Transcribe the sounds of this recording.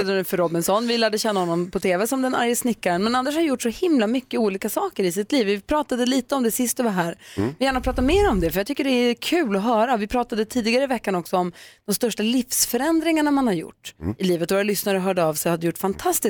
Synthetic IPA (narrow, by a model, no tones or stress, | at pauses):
ɛd̪ənʉfœɾɔbɪnsɔnːvɪlæːɖəɕɛnːahɔnːɔmpʰɔt̪ʰeːvɛsɔmd̪ɛna̰ɾjəsnɪkːaɾənmɛnand̪əʂhaɾjʊʈːsɔhɪmlamʏkːəuːliːkasɑːkəɾɪsɪt̪liːvɪpʰɾɑːt̪ad̪əliːt̪əɔmd̪ɛsɪst̪ɔvaɦæːɾvɪjæːɳapʰɾɑːt̪̬ameːɾɔmd̪ɛfœɾjaɡt̪ʏkːəɖɛækʰʉ̟ːlɔɦœːɾavɪpʰɾɑːt̪ad̪ət̪ʰiːd̪ɪɡaɾəvɛkːanɔksɔɔmd̪̥ɔmst̪œʂʈalɪfsfœɾɛnd̪ɾɪŋaɳamanhaɾjʊ̰ʈːɪliːvət̪vɔɾalʏsnaɾəɦœːɖəavshad̪ːəjʊʈːfant̪ʰast̪ɪ